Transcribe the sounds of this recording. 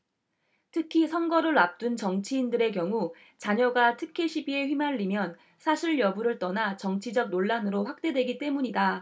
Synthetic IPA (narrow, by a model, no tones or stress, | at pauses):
tʰɯkʰisʰʌŋɡʌɾɯɭap̚t͈unt͡ɕʌŋt͡ɕʰiːndɯɾe̞k̬jʌŋu | t͡ɕaɲʌɡatʰɯkʰeɕʰibie̞ɸɥimaʎːimjʌn | sʰaɕʰiɭjʌbuɾɯɭt͈ʌnat͡ɕʌŋt͡ɕʰid͡ʑʌɡ̚noɭːanɯɾoɸwak̚t͈e̞dwe̞ɡit͈e̞muɲida